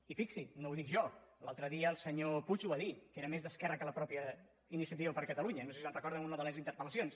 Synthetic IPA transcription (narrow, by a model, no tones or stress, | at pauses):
ifiksinowðikʒɔlalˠt̪ɾəðiəːlˠsəɲoput͡ʃuaðikeɾəmezðəskɛrəkələpɾɔpjə | inisiət̪iβəpəɾkət̪əluɲənosesiənrəkɔɾðəmunəðələzint̪əɾpələsions